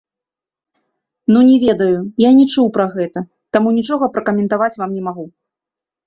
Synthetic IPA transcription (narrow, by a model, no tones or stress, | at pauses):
nunʲɛvʲɛd̪ɐjujanʲɛt͡ʂuwpɾɐɣɛt̪ɐ | t̪amunʲit͡ʂɔɣɐpɾɐkɐmʲɛnt̪avat͡sʲvamnʲɛmaɣu